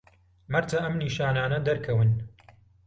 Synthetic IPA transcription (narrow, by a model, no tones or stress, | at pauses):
mɐɾt̪ʰɐʔɐmniːʃaːnaːnɐd̪ɐɾkʰɐwɨn